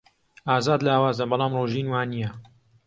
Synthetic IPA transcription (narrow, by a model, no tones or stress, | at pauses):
aːzaːd̪laːwaːzɐbɑlˠɑːmroːʒinwaːnijɐ